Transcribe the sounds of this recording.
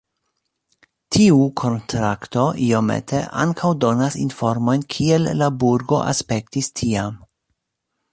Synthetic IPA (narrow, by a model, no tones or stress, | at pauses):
tʰiukʰo̞ntɾakto̞ʔio̞mḛtʰeʔa̰ŋkʰawdo̞nasinfo̞ɾmo̞jnkʰielːabuɾɡo̞̰ʔa̰spe̞k̚tistʰiam